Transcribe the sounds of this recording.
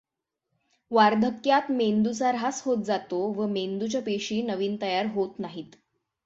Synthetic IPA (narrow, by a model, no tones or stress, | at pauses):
ʋaɾd̪ʱəkjat̪mend̪ut͡saɾɦasɦot̪̚d͡zat̪oʋəmend̪ut͡ɕjapeɕiːnəʋiːnt̪əjaɾɦot̪naɦiːt̪